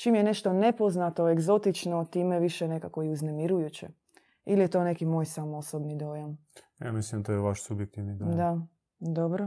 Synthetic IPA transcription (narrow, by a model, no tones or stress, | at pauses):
t͡ʃimjene̞ʃt̪o̞ne̞po̞znat̪oeɡzo̞t̪it͡ʃnot̪iːmeʋiʃene̞kako̞iuzne̞miɾujut͡ɕḛ | ilijet̪o̞ne̞kimo̞ːjsamoosobnid̪o̞ːjamja̰mislimnd̪at̪oːjeʋaʃsubjek̚t̪iʋnid̪od̪a | d̪obɾo